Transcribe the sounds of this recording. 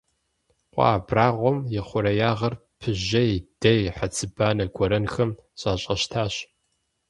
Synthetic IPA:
qʷʼɑ̰ːbraːʁʷɔmjɪχʷʊɾɐjaːʁɐr | pʰɨʑɐjd̥ɐjħat͡sʰɨbaːnɐɡʷɔɾɐnxɐmɕʼaːɕʼɐɕtʰaːɕ

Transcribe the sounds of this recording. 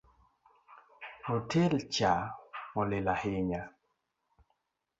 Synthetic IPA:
mɔtɛlt͡ʃamɔlɪlahɪɲa

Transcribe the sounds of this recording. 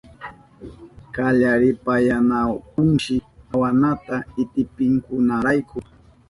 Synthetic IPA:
kaʎaɾɪpajanakʊŋʃɪawanat̪aɪt̪ɪpɪŋkʊnaɾajkʊ

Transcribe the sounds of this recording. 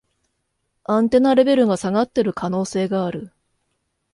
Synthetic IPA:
ãnt̪e̞naɾe̞be̞ɾɯ̟ɡasaɡat̪ːe̞ɾɯ̟kʰano̞ːse̞ːɡaːɾɯ̟

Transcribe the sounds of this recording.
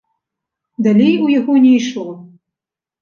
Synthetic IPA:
d̪alʲejujaɣɔnʲɛjʂlˠɔ

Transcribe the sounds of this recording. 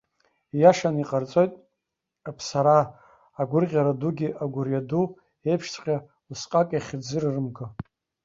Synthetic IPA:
jaʂaniqʼart͡sʼo̞jtʼ | apʰsaɾaː | ɡʷʊrʁʲaɾaduɡʲiʔaɡʷʊrjadu | e̞jpʰʂt͡sʰʼqʲʼa | lusqʼakʼjaχʲd͡zɨrrɨmɡɨ

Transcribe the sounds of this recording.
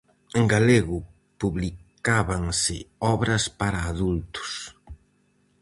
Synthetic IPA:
eŋɡaleɣʊ | puβlikaβaŋsɪ̰ɔβɾɐspaɾaːðult̪ʊ̥s

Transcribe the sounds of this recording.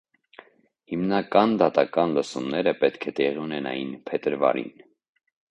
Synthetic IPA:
himnɑkɑnd̪ɑt̪ɑkɑnləsumnɛɾəpɛt̪kʰɛt̪ɛʁiunɛnɑ̰jinpʰɛt̪əɾvɑ̰ɾḭn

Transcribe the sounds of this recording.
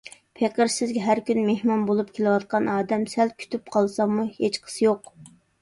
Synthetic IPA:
pʰeqəɾsɪzɡʲɛɦæɾkʲynmehmɑnbolˠup̚kʲʰelˠɪwɑt̪̚qɑnɑːd̪ɛmsælkʲʰy̥t̪ʰyp̚qʰɑlˠsɑmuhet͡ʃqʰə̥sɨjoq

